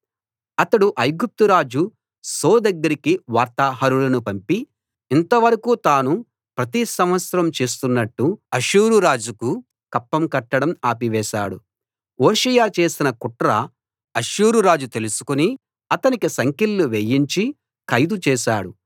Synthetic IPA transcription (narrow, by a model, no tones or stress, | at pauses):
ɐt̪ɐɽuʔɐjɡup̚t̪uɾaːd͡ʒu | soːd̪ɐɡːɐɾikiʋaːɾt̪aːɦɐɾulɐnupɐmpiː | nt̪ɐʋɐɾɐkuːt̪aːnu | pɾɐt̪isɐmʋɐt̪sɐɾɐmt͡ʃe̞ːs̬t̪unːɐʈːuɐʃuːɾuɾaːd͡ʒuku | kɐpːɐmkɐʈːɐɽɐmaːpiʋɛːʃa̰ːɽṵ | oːʃɐjaːt͡ʃe̞ːsinɐkuʈɾɐ | ɐʃuːɾuɾaːd͡ʒut̪e̞lusu̥kuni | ɐt̪ɐnikisɐŋkilːuʋejiɲt͡ʃi | kɐjd̪ut͡ʃɛːʃa̰ːɽu